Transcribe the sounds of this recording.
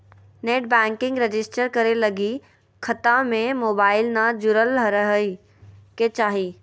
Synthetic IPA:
neːʈbɛ̃ːŋkɪ̃ŋɡɾed͡ʒɪsʈəɾkɐɾelɐɡi | kʰət̪ãmẽmoːbaːɪlnad͡ʒʊɾəlɾəɦəi | ket͡ʃaːɦiː

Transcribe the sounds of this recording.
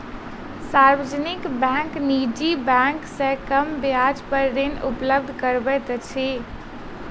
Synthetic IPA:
saɾʋəd͡ʒənikbɛ̃ŋknid͡ʒibɛ̃ŋksə̃kəmbjad͡ʒpəɾɾenṵpləb̚d̪ʱkəɾbɛt̪t͡ʃʰi

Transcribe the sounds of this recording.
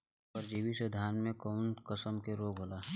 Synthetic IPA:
pəɾd͡ʒiːʋised̪ʱaːnmẽkɔːnkəsəmkeɾoːɡʱɦoːlaːɦ

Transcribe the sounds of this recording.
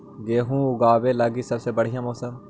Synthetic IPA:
ɡeːɦũːʊɡaːʋeːləɡiːsəbseːbəɽ̤ɪjãːmɔːsəm

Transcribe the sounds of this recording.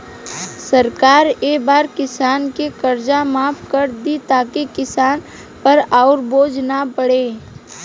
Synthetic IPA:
səɾkaːɾeːbaːɾkɪsaːnkekəɾd͡ʒamaːpkəɾd̪it̪aːkekɪsaːn | pəɾaːʊɾboːd͡ʒʱnapəɽeː

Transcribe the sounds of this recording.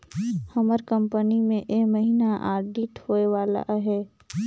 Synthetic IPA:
həməɾkə̃mpənimẽʔeməɦiːnaʔa̰ːɾɖiʈhoːeʋaːla̰ɦɛː

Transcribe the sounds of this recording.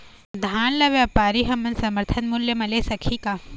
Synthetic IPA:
d̪ʱaːnlɐʋjapaːɾiɦɐmːɐnsɐməɾt̪ʰənmʊljəmɐlesɐkʰikaː

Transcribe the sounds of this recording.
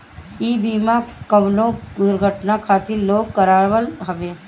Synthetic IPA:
iːbiːmakəʋlõɡʊɾɡʱəʈnakʰaːt̪ʰiloːɡ̚kːəɾaːʋəlɦɐʋeː

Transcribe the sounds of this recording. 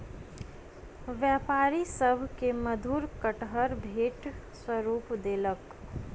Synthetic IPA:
ʋjaːpaːɾisəbʱkeməd̪ʱuːɾkəʈɦəɾbʱeːʈ | swəɾuːpd̪eːlək

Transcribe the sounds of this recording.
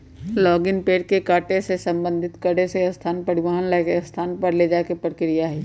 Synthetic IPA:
lɔːɡɪnpeːɾkekaːʈesesɐ̃mbə̃nd̪ʱɪt̪kəɽeseɐst̪ʰaːnpɐɽɪʋaːɦənlɛkeɐst̪ʰaːnpɐɾled͡ʒaːkepɾɪkɾɪjaɦɛː

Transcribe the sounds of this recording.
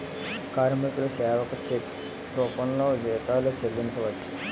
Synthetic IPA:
kaːɾmikulusɛːʋɐkɐt͡ʃekː | uːpɐnloːd͡ʒɛːt̪aːluːt͡ʃelːiɲt͡ʃɐʋɐʈːi̥

